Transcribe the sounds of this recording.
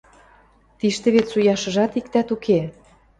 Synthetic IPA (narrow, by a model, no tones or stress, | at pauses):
t̪iʃt̪ĕβet̪sujɑʃɤ̆ʒɑt̪ikt̪æt̪ukʰe